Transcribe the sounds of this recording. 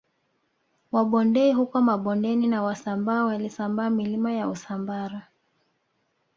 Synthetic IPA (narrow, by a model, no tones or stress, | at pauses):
waɓɔndɛiɦukɔmaɓɔndɛninawasambaːwalisambaːmilimajausambaɾa